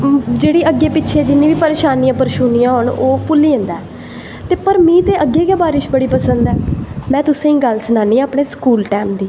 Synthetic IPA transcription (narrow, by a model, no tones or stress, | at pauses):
d͡ʒeːɽiːʔəɡːeːpɪtːʃʰeːd͡ʒɪnːĩːʋiːpəɾeːʃaːnijãːpəɾʃuːniːãːɦʊɳoːpʊlːiːə̃nd̪aː | t̪eːpəɾmĩːt̪eːʔəɡːeːɡaːbaːɾɪʃbəɽiːpəsənd̪ɛːmɛ̃ːt̪ʊsẽːĩːɡəlsənaːnĩːəpɳeːskuːlʈɛːmd̪iː